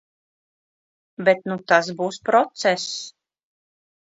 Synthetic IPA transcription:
bet̪̚nut̪as̬buːspɾɔt̪sɛs

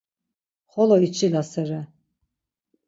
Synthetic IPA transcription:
χɔlɔit͡ʃʰʼilasɛɾɛ

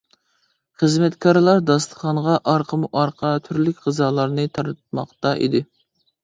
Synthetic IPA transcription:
χəzmɛt̪kʰɑɾɨlˠɑɾd̪ɑst̪ə̥χɑnʁɑʔɑɾqʰəmuʔɑɾqʰɑt̪ʰyɾlɪkʲʁəzɑːlˠɑɾnɨt̪ʰɑɾɨt̪̚mɑ̰χt̪ɑʔḭd̪ɪ

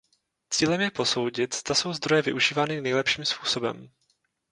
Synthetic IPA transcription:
t͡siːlɛmjɛpo̞so̞wɟɪt̪z̥d̪aso̞wzd̪ɾo̞jɛvɪʔuʒiːvaːnɪnɛjlɛpʃiːmspuːso̞bɛ̰m

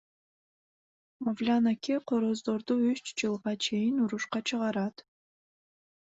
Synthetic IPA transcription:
movlʲanakʲʰeqʰoɾozd̪oɾd̪uyʃt͡ʃd͡ʒɨlˠʁɑt͡ʃʰe̞jɪnuɾuʃqɑt͡ʃʰɨʁɑɾɑt̪

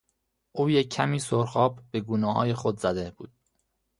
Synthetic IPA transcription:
ʔuːjecʰːæmiːsoɾxɒːbb̥e̞ɡuːnɒːhɒ̰ːjexod̪zæd̪eb̥uːd̪̥̚

